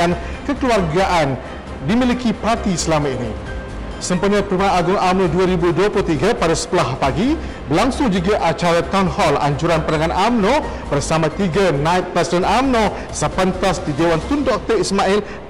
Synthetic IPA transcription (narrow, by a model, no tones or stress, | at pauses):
an | kəkəluarɡaʔan | dimilikipart̪isəlamãinĩ | səmpuɲãpəɾmanaɡuŋamnõduaɾibuduaplut̪iɡapadasə̥t̪əlahpaɡi | bəlaŋsʊŋd͡ʒuɡaʔat͡ʃaɾat̪awnhɔla̰ɲd͡ʒuɾanpəɾaŋãnʔamnõ | bərsamãt̪iɡanãit̪̚pɾɛsidɛnamnõ | səpənt̪asdidewant̪undɔk̚t̪əɾismãʔɛl